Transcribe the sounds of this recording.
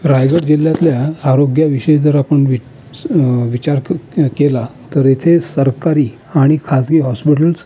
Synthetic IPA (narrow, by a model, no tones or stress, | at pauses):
ɾajɡəɽd͡ʑilːjat̪ljaːɾoɡjaʋiɕəjd͡zəɾapəɳʋi | ʋit͡ɕaɾkelat̪əɾjet̪ʰesəɾkaɾiː | aɽ̃ikʰasɡiɦɔspiʈ̬əls